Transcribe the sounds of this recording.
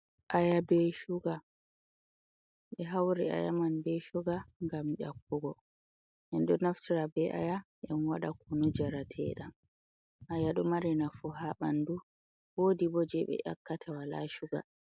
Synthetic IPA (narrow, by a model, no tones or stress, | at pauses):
ʔajabɛʃuɡa | ɓɛɦawɾɛ̰a̰ja̰manbɛʃuɡaŋɡamɗa̰kːuɡɔ | ʔɛnɗɔnaftiɾabɛʔa̰jaʔɛnwaɗakunud͡ʒaɾatʰɛ̰ɗam | ʔajaɗɔmaɾɛnafuɦaɓandu | wodibɔd͡ʒɛɓɛ̰ʔa̰kːatʰawala̰ʃuɡa̰